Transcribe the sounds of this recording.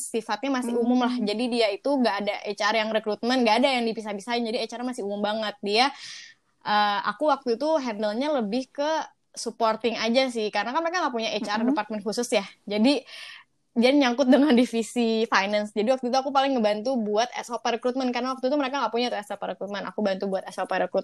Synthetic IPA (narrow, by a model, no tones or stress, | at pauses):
sifat̪̚ɲamasɪɦumʊmlahd͡ʒadidiait̪uŋɡaʔːdaʔet͡ʃarjaŋrɛkɾut̪̚mɛnɡaːdajaŋdibis̬ahbisaɪnd͡ʒadiet͡ʃaɾamasɪumʊmbaŋət̪̚dia | ʔəːa̰kuwak̚t̪ut̪uɦɛndəlɲaləbɪhkə | suport̪ɪŋad͡ʒas̬ɪhkaɾənakanməɾekaŋaʔpuɲaʔet͡ʃardəpart̪̚mɛnkusʊsjahd͡ʒadi | diaɲaŋkʊt̪̚dəŋandifisifajnansd͡ʒadiwak̚t̪uit̪̬uakupalɪŋːəbant̪ubuat̪ɛ̰sopaɾəkɾut̪̚mɛnkaɾənawak̚t̪ut̪uməɾekaŋɡaʔpuɲat̪uɛsopaɾəkɾut̪̚mɛna̰kubant̪ubuat̪ɛsopaɾəkɾut̪